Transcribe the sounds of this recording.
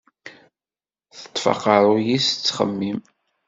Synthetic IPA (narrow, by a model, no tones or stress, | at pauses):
θə̥t̪ˤːfɑ̰qɑɾˤʊjist͡sːχə̰mːim